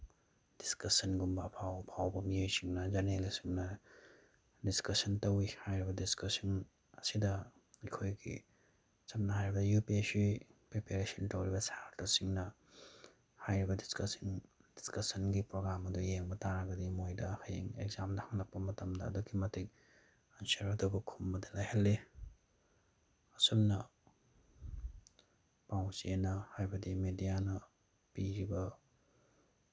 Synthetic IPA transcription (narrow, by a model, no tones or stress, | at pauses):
d̥iskɐsɐnɡumbɐpʰawpʰawbɐmijojsiŋnɐzɐnelisiŋnɐ | diskɐsɐntɐwihajɾibɐdiskɐsin | ɐsidɐ | ikʰojɡḭ | t͡ʃɐmnɐɦajɾibɐdɐjupisipɾepeɾesɐntɐwɾibɐsaɾtɐsiŋnɐ | hajɾibɐdiskɐsind̥i̥skɐsɐnɡipɾoɡɾamɐdujeŋbɐtaɾɐɡɐdimojdɐhajḛŋḛɡzamdɐhɐŋlɐk̚pɐmɐtɐmdɐ̰ːduɡimɐtik̚ | ɐnseɾɐdobɐkʰumbɐdilajhɐlːe | ɐsumnɐ | pawsenɐhajbɐdimedijanɐ | piɾibɐ